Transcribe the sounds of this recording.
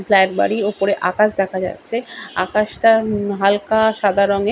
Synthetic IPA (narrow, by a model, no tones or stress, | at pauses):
fʰlɛʈba̰ɽiopoɾeʔakaʃd̪ɛkʰad͡ʑa̰tːɕʰea̰kaʃʈaɦalkaʃad̪ʱaɾoŋe